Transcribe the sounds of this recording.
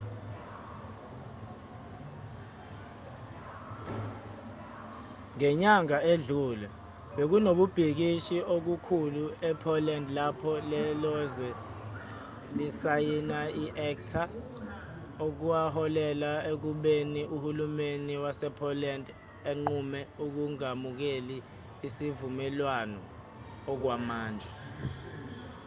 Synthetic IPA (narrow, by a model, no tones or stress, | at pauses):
ŋɛɲaŋaeɮuːlɛ | ɓek̬unoɓub̥ʱik̬iʃiʔok̬ukʰuluɛpʰɔlɛndlapʰɔlɛlɔzɛ | lisajinaiʔɛk̚tʰa | ok̬uwahɔlɛlaek̬uɓeniʔuhulumeniwasɛpʰɔlɛnd | eŋ͡ǃumɛuk̬uŋamuk̬eliː | sivumɛlwanɔː | k̬wamaːnd͡ʒʱɛ